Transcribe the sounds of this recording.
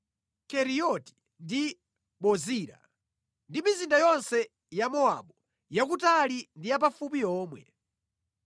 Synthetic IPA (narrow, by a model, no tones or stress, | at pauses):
kɛɾijɔti̥ | ndi | ɓɔziːɾa̰ | ndimizindajɔnsɛ | jamɔa̰ɓɔ | jakutalindijap̬afupiɔːmwɛ